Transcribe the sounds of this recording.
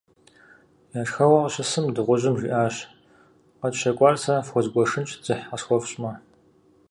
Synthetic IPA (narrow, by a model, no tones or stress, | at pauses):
jaːʂxɐwɐqɕɪsɨmdɨʁʷʊʑɪmʒḭʔaːɕ | qɐtʃɐkʷʼɑrsafxʷɔzɡʷʼɔʂɨnt͡ʃʼd͡zɨħɐsxʷɔfɕʼmɐ